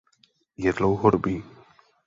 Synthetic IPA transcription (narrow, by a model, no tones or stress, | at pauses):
jɛd̪lowɦoɾubiː